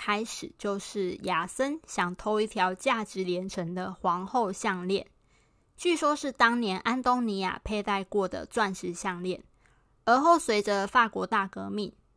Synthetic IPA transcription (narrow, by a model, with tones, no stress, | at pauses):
kʰa˥ɪʂɻ̩˨˩t͡ɕjo˥˧ʊʂɻ̩˥˩ja˨˩sə˦˥nɕjɑ˨˩ŋt̪ʰo˥ʊi˥˩t̪ʰjɑ˧˥ʊt͡ɕja˥˩ʈ͡ʂɻ̩˨˥ljɛ˧˥nʈ͡ʂʰə˧˦ŋd̪ə˨xwɑ˧˥ŋxo˥˧ʊɕɑ˥˧ŋljɛ˥˨n | t͡ɕy˥˨˩ʂwɔ˥ʂɻ̩˥˩t̪ɑ˥ŋnjɛ˧˥nʔa˦˥nt̪o˥ŋni˧˥ja̰˨˩pʰe˥˧ɪt̪a˥˧ɪkwɔ˥˩d̪ə̰˩ʈ͡ʂwa˥˧nʂɻ̩˥˧ɕjɑ˥˧ŋljɛ˥˩n | ə˞˨˧˥xo˥˩ʊswe˧˥ɪʈ͡ʂə˧fa˥˩kwɔ˧˥t̪a˥˩kɤ˧˥mi˥˨˩ŋ